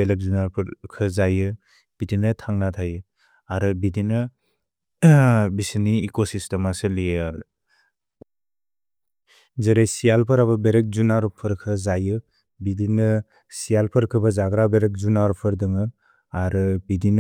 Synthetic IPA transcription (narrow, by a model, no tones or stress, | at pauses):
elek̚zunaɾpʰɾkʰɯzajɯ | b̥idinɯtʰaŋnatʰajɯ | aɾɯbidinɯ | bisiniːkosistemasɯlijɯ | zɯɾejsijalpʰɯɾaβɐbeɾek̚zunaɾpʰɯɾkʰɯzajɯ | bidinɯ | sijalpʰɯɾkʰɯbɐzaɡɾabeɾek̚zunaɾpʰɯɾdɯŋɯ | aɾɯbidin